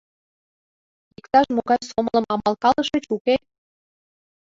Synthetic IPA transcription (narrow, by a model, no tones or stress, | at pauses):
ikt̪ɑʃmoɣɑjsomlə̆mɑmɑlkɑlə̆ʃə̆t͡ɕuke